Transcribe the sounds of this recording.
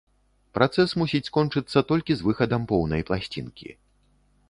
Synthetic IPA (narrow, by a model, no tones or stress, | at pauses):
pɾat̪sɛsmusʲit͡sʲskɔnt͡ʂɨt̪sːɐt̪ɔlʲkʲizvɨxɐd̪ɐmpɔwnɐjplˠasʲt͡sʲḭnkʲḭ